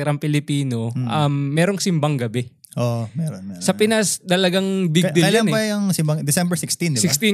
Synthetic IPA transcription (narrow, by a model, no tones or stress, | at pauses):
ɛɾɐmpɪlɪpiːno̞ʔɐmːɛːɾoŋsɪmbɐŋɡɐbɛ | ʔomɛɾosɐpɪnast̪ɐlɐɡaŋbɪɡɡd̪ɪɐlljanbɐɐŋsɪmbɐŋd̪ɪsɛmbɛɹsɪkst̪ind̪ɪskst̪i